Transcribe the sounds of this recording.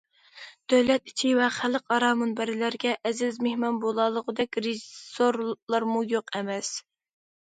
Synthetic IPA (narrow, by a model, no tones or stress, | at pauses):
d̪̥øwlɛt̪i̥t͡ʃʰivɛχæləqɑɾɑːmunbæɾɪlæɾɡʲɛʔɛzɪzmehmɑnbolˠɑːlˠəʁəd̪ɛkʲɾeʒisoɾlˠɑɾmujoqɛmɛs